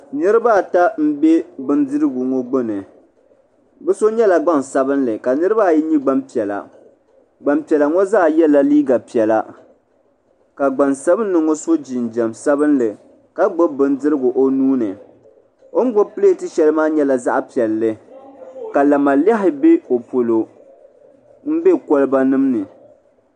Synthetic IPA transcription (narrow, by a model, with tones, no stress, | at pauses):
nɨ˦ɾɨ˦ba˦˨ta˦m̩˦bɛ˦bɨ˦ndɨ˦ɾɨ˦ɡʊ˨ŋɔ˦ɡ͡bo˦nɨ˨ | bɛ˦so˦ɲɛ˦la˨ɡ͡ba˦nsa˦bɨ˦nlɨ˨ka˨nɨ˦ɾɨ˦ba˦˨ji˦ɲi˦ɡ͡ba˦mpi˨ɛ˨la̰˨ | ɡ͡ba˨mpi˨ɛ˨la˨ŋɔ˦zaː˦˨jɛ˦la˦liː˦ɡa˨pi˨ɛ˨la˨ | ka˨ɡ͡ba˨nsa˦bɨ˦nː˦ɨ˨ŋo˦so˦d͡ʒi˨n˨d͡ʒɛ˨msa˦bɨ˦nlɨ˨ | ka˦ɡ͡bʊ˦bɨ˦ndɨ˦ɾɨ˦ɡʊ˨ʔo˦nuː˦nɨ˨ | o˦n˦ɡ͡bʊ˦pɨ˦le˦˨tɨ˦ʃɛ˦lɨ˦maː˦ɲɛ˦la˨za˦ʔpi˨ɛ˨lːɨ˦ | ka˨la˨ma˨la˦ɦɪ˨be˦o˨po˨lo˨ | m̩˦be˦kɔ˦lɨ˦ba˦nɨ˦mnɨ˨